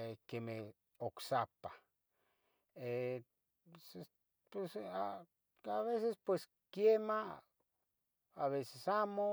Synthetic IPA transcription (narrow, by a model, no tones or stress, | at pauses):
ekeme | oksapa | e | se | pesa | aβesespwes | kjema | aβesesamo